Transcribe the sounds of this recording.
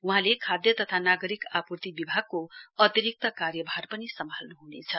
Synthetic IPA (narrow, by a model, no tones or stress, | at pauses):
uɦãlekʰad̪jʌt̪ʌt̪ʰanaɡʌɾikapurt̪ibibʱaɡ̚koʌt̪iɾik̚t̪ʌkarjʌbʱarpʌnisʌmʱalnuɦunḛt͡sʰʌ